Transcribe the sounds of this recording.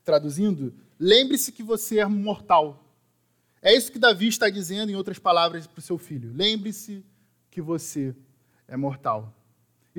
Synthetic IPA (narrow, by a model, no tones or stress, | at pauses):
t̪ɾad̪uzĩnd̪ʊ | lẽmbɾɪsɪ̥kɪvoseɛmoɾt̪aw | ɛisʊ̥kɪd̪aviɪʃt̪ad͡ʒizẽnd̪ʊẽowt̪ɾɐspalavɾɐspɾʊsewfiʎʊlẽmbɾisɪ | kɪvose | ɛmoɾt̪a̰w